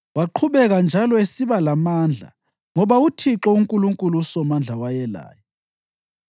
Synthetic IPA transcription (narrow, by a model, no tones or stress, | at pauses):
waǃʰuβɛɣand͡ʒʱalɔesiβalamaːnd͡ɮʱa̰ | ŋɔβautʰiǁɔuŋkʼuluŋkʼuluusɔmand͡ɮʱawajɛla̰ːjɔ